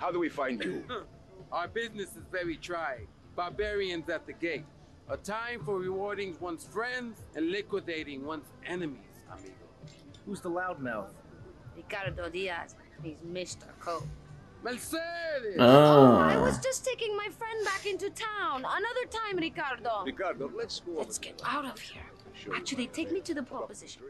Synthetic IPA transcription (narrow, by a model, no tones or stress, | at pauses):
haʊdəwifãɪ̃nd͡ʒɨ | ʔaʊə˞bɪznɨsɨzvɛɹitʰɹ̥aɪɪ̃ | b̥abɛɹiɨ̃nzɨt̪̚ðɨɡeɪt̚ | ʔətʰãɪ̃ɱfə˞ɹɪwɔɹɾɪ̃ŋzwʌ̃nsfɹɛ̃ndzɨ̃nlɪkwɨdeɪɾɪ̃ŋwʌ̃nsʔɛnɨmiz̥ə̰̃nbib̰ | huzðəlaʊd̚maʊθ | ɹikɑɾdɔdiə̰z̥ | nizmɪstə̰˞kʰoʊ | mɛlseðɪa̰ɪwʌ̰zd͡ʒʌstʰeɪkɪ̃ŋmaɪfɹɛ̃nbækɪ̃ntutʰãʊ̃nənʌðə˞tʰãɪ̃mɹikɑɾədɔɹikɑɾdɔlɛskuɨtsɡ̥ɛɾaʊɾʌv̥hiɹ | waʃɨd̪̚ðeɪtʰeɪk̚miɾɨðəpʰɹ̥ɑpɨzɪʃn